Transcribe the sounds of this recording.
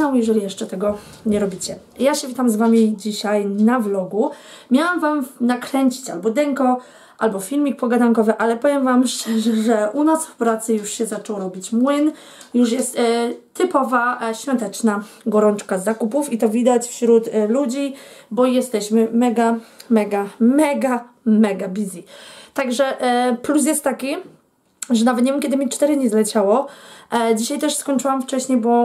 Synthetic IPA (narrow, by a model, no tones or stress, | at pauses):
awjɛʐɛlʲijɛʂt͡ʂɛt̪ɛɡɔ | ɲɛɾɔbʲit͡ɕɛ | jaɕɛvʲit̪amzvamʲid͡ʑiɕajnavlɔɡumʲjawamvamnakɾɛɲt͡ɕi̥t͡ɕa̰lbɔd̪ɛŋkɔ | ʔalbɔfʲilmʲik̚pɔɡad̪aŋkɔvɘʔalɛpɔvʲjɛmvamʂt͡ʂɛʐɛʐɛʔunɔsfpɾat̪sɘjuʂɕɛzat͡ʂɛwɔɾɔbʲit͡ɕmwɘn | juʂjɛst̪ː | ɘpɔvaɕfʲjɔnt̪ɛt͡ʂnaɡɔɾɔnt͡ʂkazːakupufit̪ɔvʲid̪at͡ɕfɕɾut̪lud͡ʑibɔjɛst̪ɛɕmɘmɛɡamɛɡamɛɡa | mɛɡabʲizʲit̪aɡʐɛʔplus̬jɛst̪ːakʲi | ʐɛnavɛt̪ɲɛmmkʲɛd̪ɘmʲit͡ʂt̪ɛɾɘd̪ɲɛzlɛt͡ɕawɔ | d͡ʑiɕajt̪ɛʂskɔɲt͡ʂɘwamft͡ʂɛɕɲejbɔ